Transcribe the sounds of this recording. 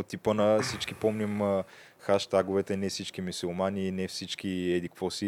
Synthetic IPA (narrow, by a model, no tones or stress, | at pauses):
ot̪ːipənɐsit͡ʃkipɔmnim | xaʃt̪aɡʊvɛt̪ɛnɛfsit͡ʃkimisulˠmaniːnɛfsit͡ʃkiɛd̪ikvɔsi